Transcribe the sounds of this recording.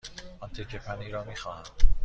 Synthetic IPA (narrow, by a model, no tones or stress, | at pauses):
ɒnt̪ʰecʰepʰæniːɾɒːmiːxɒːhæm